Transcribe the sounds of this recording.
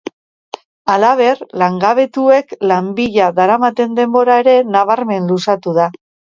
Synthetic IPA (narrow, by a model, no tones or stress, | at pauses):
alaβ̞e̞rlaŋɡaβ̞e̞t̪ue̞klambiʎaðaɾamat̪e̞nd̪e̞mbo̞ɾae̞ɾe̞naβ̞aɾme̞nlusat̪uð̞a